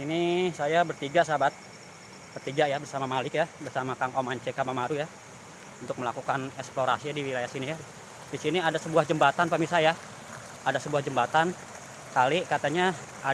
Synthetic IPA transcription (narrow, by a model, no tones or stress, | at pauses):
inisajabərt̪iɡaʔsabat̪̚ | b̥ərt̪iɡaʔjabərsamamalɪkjabərsamakaŋomaɲt͡ʃɛkamamaɾuja | unt̪ʊk̚məlakukanɛksploɾa̰siadiwilajahsinija | disiniadasəbuahd͡ʒəmbat̪anpamisaja | adasəbuahd͡ʒəmbat̪an | kalikat̪aɲa | a